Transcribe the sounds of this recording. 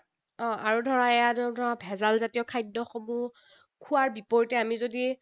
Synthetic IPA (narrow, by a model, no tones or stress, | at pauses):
ɔ̃ʔaɹudʱɔɹaɛjaddʱɔɹabʱɛzalzatijɔkʰajdːɔxɔmu | kʰuaɹbipɔɹitɛamizodi